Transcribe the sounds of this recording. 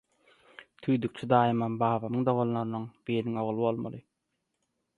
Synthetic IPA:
t̪ʰyːjd̪yk̚t͡ʃʰid̪ɑːjɯmɑnbɑːβɑmɯŋd̪oʁonlˠoɾɯnɯŋbiːɾiŋo̞ʁlˠɯβo̞lˠmɑ̰lˠɯ

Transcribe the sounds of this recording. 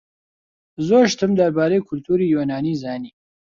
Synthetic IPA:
zoːʃt̪ʰɨmd̪ɐɾbaːɾeːkʰʊlt̪ʰuːɾiːjoːnaːniːzaːniː

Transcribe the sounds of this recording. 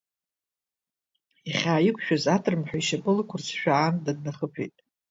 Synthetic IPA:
iχʲaːikʷʰʼʃᶣazatʰʼrmħʷᶣaiʃapʼɨlkʷʰʊrsʰʃᶣaːndadnaχəpʰḛjtʼ

